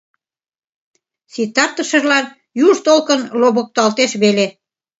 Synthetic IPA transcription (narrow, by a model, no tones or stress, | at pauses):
sit̪ɑrt̪ə̆ʃəʒlɑn | juʒt̪olkənloβək̚t̪ɑlt̪eʃβele